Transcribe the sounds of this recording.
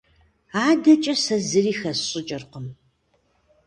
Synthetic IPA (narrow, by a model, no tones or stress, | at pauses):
aːdɐt͡ʃʼɐsɐzɨriːxɐsɕʼɪt͡ʃʼɐrqəm